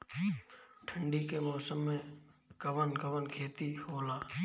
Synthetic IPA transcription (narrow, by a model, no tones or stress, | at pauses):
ʈʰə̃ɳɖikemɔːsəmːẽɡ̥əʋənɡəʋənkʰeːt̪ihoːlaː